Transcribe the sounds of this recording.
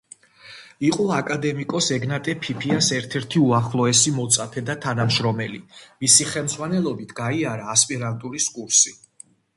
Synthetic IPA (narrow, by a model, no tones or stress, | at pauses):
iqʼɔakʼad̪ɛmikʼɔsɛɡnat̪ʼɛpʰipʰiasɛɾt̪ʰɛɾt̪ʰiuaχlˠɔɛsimɔt̪sʼapʰɛd̪at̪ʰanamʃɾɔmɛlḭmisiχɛlˠmd̪zʁwanɛlˠɔbit̪ʰɡ̥aiaɾaːspʼiɾant̪ʼuɾiskʼuɾsi